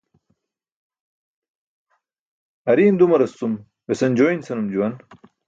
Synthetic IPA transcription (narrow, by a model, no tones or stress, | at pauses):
ɐɾiːnd̪umɐɾɐst͡s̪um | wesɐnd͡ʑoːinsɐnumd͡ʑuwɐn